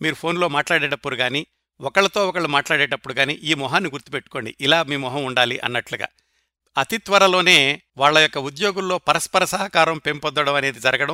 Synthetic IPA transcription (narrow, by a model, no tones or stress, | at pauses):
miːɾupʰo̞ːnlo̞ːmaːʈlaːɽɛːɖɐpːuɽuɡaːniː | ɔkɐɭɐt̪o̞ːɔkɐɭumaːʈlaːɽɛːɖɐpːuɽuɡaːnḭːʔiːmɔɦaːnːiɡuɾt̪i̥pe̞ʈːu̥ko̞ːɳɖḭʔilaːmiːmɔɦɐmuɳɖaːliʔɐ̰nːɐʈluɡa̰ː | ɐt̪it̪ʋɐɾɐlo̞ːne̞ː | ʋaːɭːɐjɔkːɐud̪jo̞ːɡulːo̞ːpɐɾɐspɐɾɐsɐɦɐkaːɾɐmpe̞mpɔd̪ːɐɽɐmɐne̞ːd̪id͡ʒɐɾɐɡɐɽɐm